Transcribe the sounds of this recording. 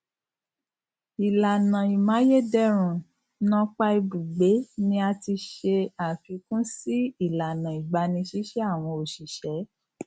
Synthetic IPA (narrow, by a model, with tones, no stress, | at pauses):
i˨la˨nã˨i˨mã˨˦je˦dɛ˦ɾ̃ũ˨ | nã˧k͡pa˧i˧bu˨ɡ͡be˨˦nĩ˧a˧ti˧ʃe˧a˨fi˨˧˦kũ˦si˦i˦˨la˨nã˨i˨ɡ͡ba˧˦nĩ˧˦ʃi˨˦ʃɛ˦a˦˨w̃ɔ̃˧o˨ʃi˨ʃɛ˨˦